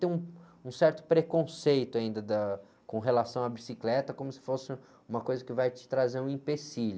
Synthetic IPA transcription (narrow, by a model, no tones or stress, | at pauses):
t̪ẽũ | ũsɛɾt̪ʊ̥pɾekõsejt̪ʊaĩnd̪ɐd̪ɐ | kõɦelasɐ̃w̃abisiklɛt̪ɐkõmʊsɪ̥fosɪ | ũmɐkojzɐkɪvajt͡ʃɪ̥t̪ɾazeɾũĩpesil